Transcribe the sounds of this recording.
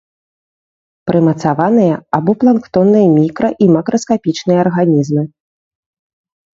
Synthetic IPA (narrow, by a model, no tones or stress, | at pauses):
pɾɨmɐt̪savan̪ɨjɐabɔplˠankt̪ɔnːɨjɐmʲikɾɐʔimɐkɾɐskapʲit͡ʂnɨjɐːrɣanʲizmɨ